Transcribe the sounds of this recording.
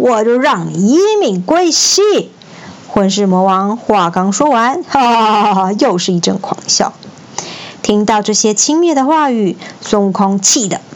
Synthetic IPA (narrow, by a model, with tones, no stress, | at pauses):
wɔ˨˩t͡ɕjo˥˧ʊɻɑ˥˩ŋ˨i˥mi˨˩ŋkwe˥ɪɕi˥˩ | xwə˧˥nʂ̬ɻ̩˥˩mwɔ˧˥wɑ˧˥ŋxwa˥˩kɑ˥ŋʂwɔ˥wa˧˥nə˧jo˥˧ʊʂɻ̩˥˧i˥˩ʈ͡ʂɤ˥˩ŋkʰwɑ̰˨˩˦ŋɕjɑ̰˥˩ʊ | t̪ʰi˥ŋt̪ɑ˥˧ʊʈ͡ʂɤ˥˩ɕjɛ˥t͡ɕʰi˥ŋmjɛ˥˩d̪ə˩xwa˥˧y˨˩sʊ˥ŋ˧˩kʰʊ˥ŋt͡ɕʰi˥˩d̪ə˩